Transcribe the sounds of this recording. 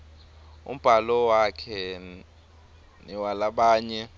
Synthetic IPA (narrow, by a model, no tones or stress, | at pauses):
ṵm̩b̥ʱalɔwakʰɛ | niwalaɓaːɲɛ